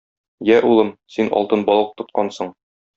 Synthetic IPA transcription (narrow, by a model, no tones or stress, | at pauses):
jæʔulˠɤmsinɒ̰lˠt̪ɤnbɒlˠɤq̚t̪ŏt̪̚qɑnsɤɴ